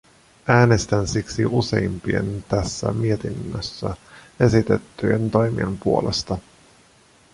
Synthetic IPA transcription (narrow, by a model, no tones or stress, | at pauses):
ʔæːnest̪ænsiksiuse̞̰impie̞̰nt̪æsːæ̰mie̞t̪inːøsːæe̞sit̪e̞t̪ːyjent̪o̞jmḭempuo̞lest̪ɑ